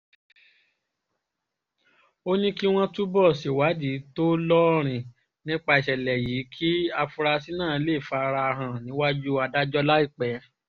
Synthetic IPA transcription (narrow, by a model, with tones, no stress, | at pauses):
o˦nĩ˦ki˦w̃ɔ̃˦tu˦bɔ˦˨se˨wa˨˦d͡ʒi˨˦to˦lɔ˦ɾ̃ĩ˨ | nĩ˦k͡pa˧i˨ʃɛ˨lɛ˨ji˨˦kʰi˦a˧fu˧ɾa˧si˦nãː˦˨˧le˦˨fa˨˧ɾa˧ɦã˧nĩ˨˦wa˦d͡ʒu˦a˧da˦d͡ʒɔ˦la˦i˦˨k͡pɛ˨˦